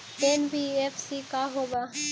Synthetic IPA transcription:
enbiefsikaɦoba

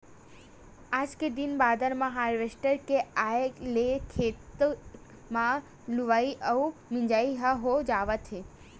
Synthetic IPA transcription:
aːd͡ʒked̪inbaːd̪əɾmãɦaːɾʋesʈəɾkeajelekʰeːt̪ | mã | luʋaːiʔəumɪ̃ɲd͡ʒaːiɦəɦod͡ʒaːʋət̪ɦe

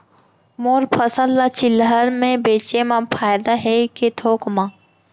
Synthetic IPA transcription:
moːɾpʰɐsəlːat͡ʃɪlɦəɾmẽbeːt͡ʃemãpʰaːjd̪aɦɛket̪ʰoːkmãː

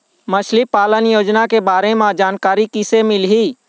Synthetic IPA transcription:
mət͡ʃʰlipaːlənjoːd͡ʒnakebaːɾemãd͡ʒaːnkaːɾikisemɪlɦiː

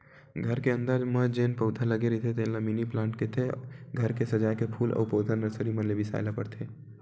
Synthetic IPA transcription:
ɡʱəɾkeə̃nd̪aːd͡ʒməd͡ʒeːnpəʊt̪ʰaləɡeɾit̪ʰet̪enlaminiplãːɳʈket̪ʰeɡʱəɾkesəd͡ʒaːkepʰuːlɔ̰ːpəːt̪ʰənɾəsəɾimənlebʱisa̰ːɪlapəɾt̪ʰeː

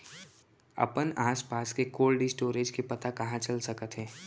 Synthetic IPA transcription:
ɐ̰pənaːspaːskekoːlɖɪsʈoːɾeːd͡ʒkepɐt̪akɐɦãt͡ʃəlsəkət̪ɦɛ̃ː

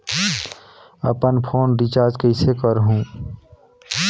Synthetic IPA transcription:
ə̰pənpʰoːnɾit͡ʃaːɾd͡ʒkəɪsekəɾɦũː

